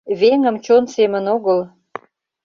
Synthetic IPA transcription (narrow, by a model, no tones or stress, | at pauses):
βeŋə̆mt͡ɕonsemənoɣəl